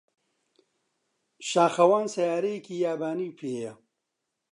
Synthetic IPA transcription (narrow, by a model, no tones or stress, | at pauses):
ʃaːxɐwaːnsɐjaːɾejkijaːbaːniːpʰeːjɐ